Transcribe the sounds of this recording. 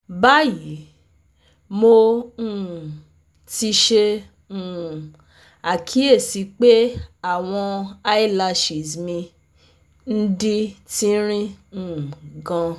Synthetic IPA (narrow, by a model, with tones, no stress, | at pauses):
ba˦ji˨˦ | mo˧ũ˦˨ | ti˧ʃe˧ | ũ˨ | a˨kʰi˨˦e˦˨si˨˦k͡pe˦a˦˨w̃ɔ̃˧a˦i˦˨la˧ʃi˨zmĩ˧ | n̩˦di˦ti˦ɾ̃ĩ˦ũ˦˨ɡã˧